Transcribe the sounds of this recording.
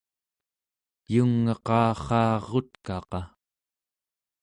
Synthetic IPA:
juŋːɑqɑːχɑːʁo̞t̪kɑqɑ

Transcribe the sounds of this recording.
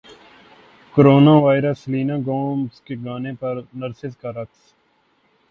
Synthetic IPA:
koɾoːnaːʋaːɪɾəsliːnãːɡõːmskeɡaːnẽpɐɾnəɾsɪskaɾɐks

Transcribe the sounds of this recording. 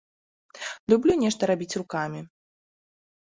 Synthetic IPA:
lʲublʲunʲɛʂt̪ɐɾabʲit͡sʲrukamʲi

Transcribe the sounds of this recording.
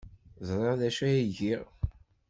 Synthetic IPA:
zˤɾˤɑðæʃæjiʝiʁ

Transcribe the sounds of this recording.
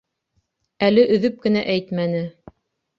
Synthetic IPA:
ælɘʔɵ̆ðɵp̚kɘ̆næʔæjt̪mænɘ

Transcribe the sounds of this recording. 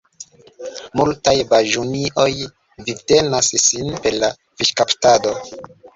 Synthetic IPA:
multajbaʒuniʔo̞j | vide̞nassinpe̞ɾla | viʃkaptado̞

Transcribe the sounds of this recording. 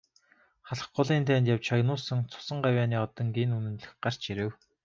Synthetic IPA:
χaɮə̆χɢʊɮiːnt̪ʰæːnt̪jawt͡ɕʰɔjnʊːsə̆ŋt͡sʰʊ̥sə̆ɴɢawʲjaːniːɔt̪ɞ̆ŋɡiːnunɘ̆nɮɘ̆xɢar̥t͡ɕiɾɘ̆w

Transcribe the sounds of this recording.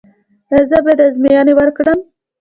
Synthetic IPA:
zəbed̪azmijɑnewəɾkɽəm

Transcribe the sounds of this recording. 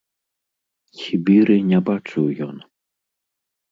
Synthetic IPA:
xʲibʲiɾɨnʲabat͡ʂɨwjɔn

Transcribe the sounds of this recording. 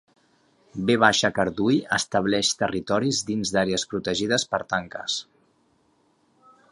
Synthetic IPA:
beβ̞aʃəkəɾðujə̰st̪əβ̞lɛʃt̪ərit̪ɔɾizd̪inzðaɾeəspɾut̪əʒiðəspəɾt̪aŋkə̰s

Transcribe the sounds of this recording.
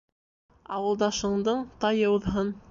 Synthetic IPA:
ɑwɤ̆lˠd̪ɑʃɤ̆ɴd̪ɤɴt̪ɑjɤ̆uðɦɤn

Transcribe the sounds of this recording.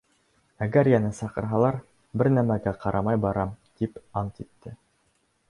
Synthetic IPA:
æɡæɾjænɘsɑqɤ̆ɾɦɑlˠɑɾ | bɘɾnæmæɡæqɑɾʔɑmɑjbɑɾɑmt̪ipɑnt̪it̪ːɘ

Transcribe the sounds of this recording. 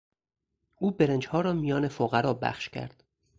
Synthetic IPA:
ʔuːbeɾend͡ʒhɒːɾɒːmijɒːnefoɣæɾɒːbæ̰xʃcʲʰæ̰ɾd̪̥

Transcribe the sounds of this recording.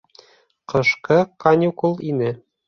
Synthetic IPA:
qɤ̆ʃqɤkanʲukulˠinɘ

